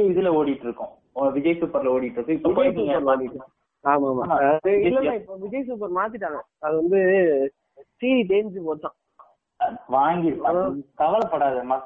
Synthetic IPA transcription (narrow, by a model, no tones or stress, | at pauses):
ɪðɯlɐoːɽɪʈːɯɾɯkːʊ̃ | ɐʋɪd͡ʒɐjsuːpːɐɾlɐoːɽɪʈːɯɾɯkːɯɪpːɐɪd͡ʒɐsuːŋɡɐɐɾʋaːŋɡɪʈːa | aːmaːmaɪlːɐnaːɪpːoːʋɪd͡ʒɐjsuːp̬ːɐɾmaːt̪̬ɪʈːaːŋɡɐ | ɐðɯʋɐnd̪ɯ | siːiʈeːnd͡ʒɯpoːt̪ːãː | ʋaːŋɡɪɾɯpːaɐ̃ok̪ɐʋɐlpɐɽaːðɯmɐ